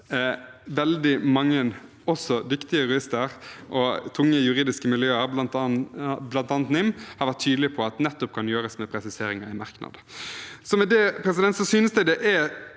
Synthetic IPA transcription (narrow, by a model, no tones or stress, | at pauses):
ʋɛld̪ɪmɑŋːən | ɔsɔd̪ʏkt̪ɪəɾʉɪst̪əɾʔɔt̪ʰʊŋːəjʉɾiːd̪ɪskəmɪljøːɑɾ | blɑnt̪ɑːnt̪nɪmhɑɾʋæʈt̪ʰːyːd̪lɪpʰɔɑt̪nɛt̪ːɔp̚kʰɑnjøːɾəsmɛpʰɾɛsɪseːɾɪŋɑɪmɑʁknɑ̰d̪əsɔmɛd̪ɛpʰɾɛs̬ɪd̪ɛnt̪sɔsyːnəsd̪æɪd̪ɛʔɛ